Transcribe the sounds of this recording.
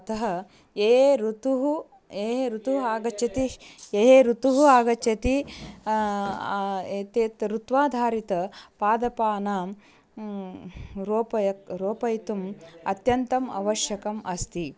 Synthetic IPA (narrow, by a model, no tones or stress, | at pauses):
ɐt̪ɐɦɐ | eːɾut̪uɦu | eːɦeɾut̪uɦaːɡɐt͡ʃːɐt̪ieɦeːɾut̪uɦuaːɡɐt͡ʃːɐt̪i | et̪eːt̪ɾut̪ʋaːd̪ʱaːɾit̪ɐpaːd̪ɐpaːnaːm | ɾoːpɐɐɾoːpɐjt̪umɐt̪jɐnt̪ɐmɐ̰ʋɐʃjɐkɐmʔɐst̪i